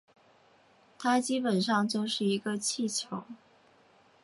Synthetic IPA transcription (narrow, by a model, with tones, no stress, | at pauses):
t̪ʰa˥t͡ɕi˥pə˨˩nʂɑ˥˧ŋt͡ɕjo˥˧ʊʂɻ̩˥˩i˧˥ɡə˧t͡ɕʰi˥˩t͡ɕʰjo˧˥˦ʊ